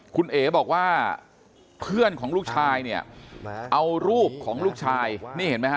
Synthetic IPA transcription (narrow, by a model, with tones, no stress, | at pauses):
kʰu˧nʔeː˨˩˦bɔː˨˩k̚waː˥˩ | pʰɯ˥˩ənkʰɔː˩˦ŋluː˥˩k̚t͡ɕʰaː˧jni˥˩ɐʔa˧wɾuː˥˩p̚kʰɔː˩˦ŋluː˥˩k̚t͡ɕʰaː˧jniː˥˩he˩˦nm˦˥ha˦˥